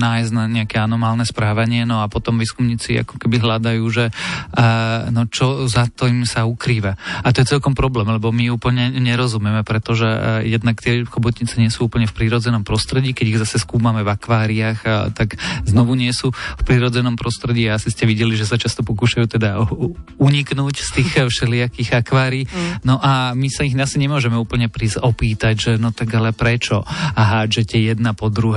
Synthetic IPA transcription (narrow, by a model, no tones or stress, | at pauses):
naːjznaɲɛakɛanɔmaːlnɛspɾaːʋaɲɪɛnɔapɔt̪ɔmʋiːskumɲiːt͡sia̰kɔ̥kɛbiɦlad̪ajuːʒɛ | nɔt͡ʃɔzat̪ɔimsaukɾiːʋaat̪ɔjɛt͡sɛlkɔmpɾɔblɛːmlɛbɔmiuːpl̩ɲɛɲɛɾɔzumɛmɛpɾɛt̪ɔʒɛjɛd̪nakt̪ɪɛxɔbɔt̪ɲit͡sɛɲɪɛsuuːpəɲɛfpɾiɾɔd͡zɛnɔmpɾɔst̪ɾɛɟiːkɛɟiɣzasɛskuːmamɛvakʋaːɾiaxt̪aɡznɔʋuɲɪɛsuːfpɾiɾɔd͡zɛnɔmpɾɔst̪ɾɛɟiːaasiscɛʋiɟɛliʒɛs̬at͡ʃast̪ɔpɔkuːʃajuːt̪ɛd̪auɲiknuːcst̪iːxfʃɛlɪakiɣakʋaːɾiːnɔʔamisaiɣasiɲɛmʊɔʒɛmɛuːpl̩ɲɛpɾiɔpiːt̪aɟʒɛnɔt̪aɡalɛpɾɛt͡ʃɔɦʒɛt̪ɪɛjɛd̪napɔd̪ɾuɦ